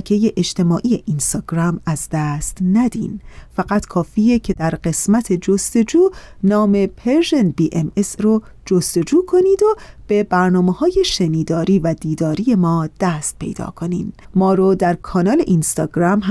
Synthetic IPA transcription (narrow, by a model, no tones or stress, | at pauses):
kʰejeʔed͡ʒt̪e̞mɒːʔiːje̞ʔinst̪ɒːɡɾæmæzd̪æst̪næd̪ḭːnfæɣæt̪kʰɒːfiːjecʰe̞d̪̥æɾɢe̞smæt̪ʰe̞d͡ʒost̪e̞d͡ʒuːnɒːme̞pʰeɾʒenbiːʔemesro | d͡ʒost̪o̞d͡ʒuːkʰo̞niːd̪ob̥e̞bæɾnɒːmehɒːje̞ʃeniːd̪ɒːɾiːvæd̪iːd̪ɒːɾiːje̞mɒːd̪̥æst̪̚pʰe̞̰jd̪ɒ̰ːkʰo̞nḭːnmɒːɾɔd̪æɾkʰɒːnɒːle̞ʔinst̪ɒːɡɾæmɦ